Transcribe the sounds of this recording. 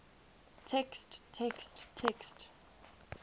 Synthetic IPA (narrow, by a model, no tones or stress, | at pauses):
tʰɛksttʰːɛksttʰɛkst